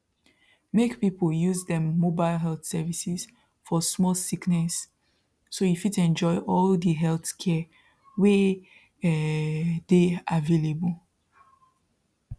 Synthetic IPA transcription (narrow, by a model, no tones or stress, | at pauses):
mekpipəljuzdɛ̃mːobaɪlɦɛlθsɛvisɛz̥ | fɔsmɔlsiknɛsː | oifitɛ̃nd͡ʒɔɪʔɔldəɦɛlθkʰɛ | we | deavelebəl